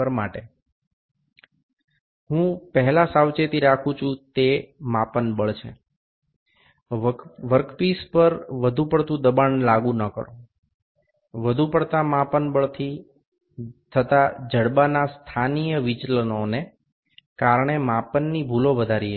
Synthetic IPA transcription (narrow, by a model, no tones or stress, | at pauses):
əɾmaʈe | ɦũpəɦɛlasawt͡ʃet̪iɾakʰũt͡ʃʰũt̪emapənbəɭt͡ʃʰḛ | ʋəɾkpispəɾʋəd̪ʱupəɽt̪ũd̪əbanlaɡũnəkə̰ɾo | ʋəd̪ʱupəɽt̪amapənbəɭt̪ʰi | t̪ʰət̪ad͡ʒəɽbanast̪ʰanijəʋit͡ʃlənone | kaɾɳ̃emãpənːibʱuloʋəd̪ʱaɾi